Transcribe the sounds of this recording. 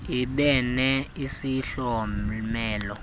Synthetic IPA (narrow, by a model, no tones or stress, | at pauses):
iɓɛnɛisiɬɔmɛːlɔ